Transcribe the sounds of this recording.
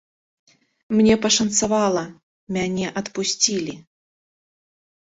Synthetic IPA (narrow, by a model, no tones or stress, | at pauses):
mnʲɛpɐʂɐnt̪savalˠɐ | mʲanʲɛʔɐt̪pusʲt͡sʲilʲi